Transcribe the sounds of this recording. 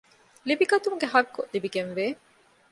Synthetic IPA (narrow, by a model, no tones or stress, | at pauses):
libiɡɐt̪umuɡeɦɐɾkːoʔlibiɡenʋeː